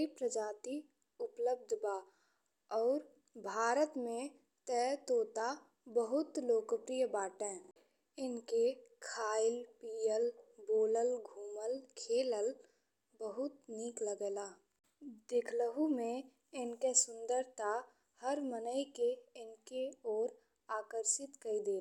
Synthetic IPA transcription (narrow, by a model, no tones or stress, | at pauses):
ipɾəd͡ʒaːt̪i | ʊpləb̚d̪ʱbaː | ɔːɾ | bʱaːɾət̪mẽ | t̪ɛːt̪oːt̪a | bəɦʊt̪loːkəpɾijəbaːʈɛ̃ː | ɪnkekʰaːɪlpiːjəlboːləlɡʱuːməlkʰeːləl | bəɦʊt̪niːkləɡɛːlaː | d̪ɪkʰləɦumẽ | ɪnkesʊ̃nd̪əɾt̪a | həɾmənəɪkeɪnkeɔːɾ | aːkəɾʃɪt̪kəid̪eː